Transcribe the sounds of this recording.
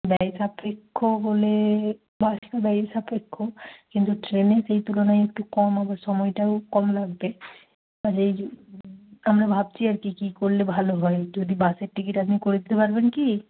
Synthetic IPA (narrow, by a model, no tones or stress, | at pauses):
bɛjsapekʰːobole | basʈabɛjsapekʰːokint̪uʈɾeneʃejt̪ulonajek̚ʈukɔmabaɾʃɔmɔjʈawkɔmlaɡ̚be | ad͡ʑej | amɾabʱab̚t͡ɕʰiaɾkikikoɾlebʱaloɦɔed͡ʑod̪ibaseɾʈikiʈapnikoɾed̪it̪epaɾbenki